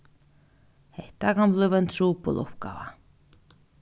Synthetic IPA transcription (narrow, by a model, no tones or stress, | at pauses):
heht̪akamlʏvɛnt̪suːpɔ̰lʊ̰hp̚ka̰ːva̰